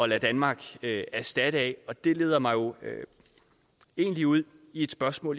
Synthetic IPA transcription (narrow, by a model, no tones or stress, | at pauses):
ɒ̽l̰æd̥ænmɑ̈ːɡ̥øæɐsd̥æɾ̥əɛɒ̽d̥e̝le̝̰ːðˠɐmɑ̈ɪjo̝ø | e̝̰ːnliuð̰ˠ | ie̝d̥sb̥ɶɐsmɔ̰̽ːl